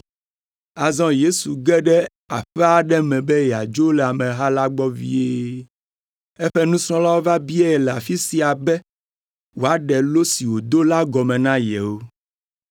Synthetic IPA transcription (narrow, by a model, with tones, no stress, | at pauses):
a˨zɔ̃˦je˦su˨ɡɛ˦ɖɛ˦ | a̰˨ɸɛ˦a˨ɖɛ˦mɛ̃˨bɛ˦jɛ˨a˨d͡ʒo˦lɛ˨a˨mɛ̃˨ɦa˦la˦ɡ͡bɔ˦vḭ˦e˦ | ɛ˦ɸɛ˦nũ˦sɾ̃ɔ̃˦la˦wo˦va˦bi˦e˦˨lɛ˨a˨fi˦si˦a˨bɛ˦ | wo˨a˨ɖɛ˨lo˦si˨wo˨d̪o˦la˦ɡɔ˨mɛ̃˨nã˦jɛ˨wo˦